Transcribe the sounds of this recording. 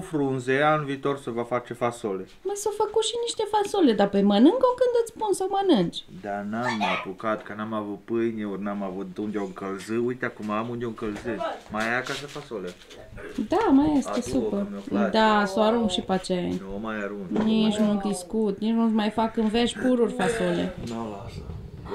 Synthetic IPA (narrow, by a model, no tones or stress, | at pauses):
fɾunzeanviːt̪o̞rsəvafat͡ʃefasole | masofəkut̪ʃiniʃt̪e̞fasoled̪apemənɨŋɡokɨnd̪ɨt̪sʲpunsawmənɨnd͡ʒʲd̪anamːaapukat̪kənamavut̪̚pɨjnʲeorʲnamavut̪̚d̪und̪eowɨŋkəlzɨujt̪eakumaamund̪oɨŋkəlzɨmajakas̬əfasole | d̪amajest̪esupəd̪asoaɾuŋkʃipat͡ʃejnomajaɾuŋɡnit͡ʃnud̪iskut̪nit͡ʃnusmajfakɨnveʃʲpuɾurʲfasolḛnolasə